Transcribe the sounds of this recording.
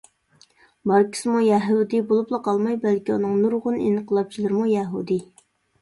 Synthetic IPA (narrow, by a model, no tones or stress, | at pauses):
bɑɾkʲʰi̥sɨmujɛɦud̪ibolˠuplˠəqʰɑlˠmɑjbælkʲiunɨŋnuɾʁʊnḛnɨqʰəlˠɑp̚t͡ʃʰilˠɨɾɨmujɛɦud̪i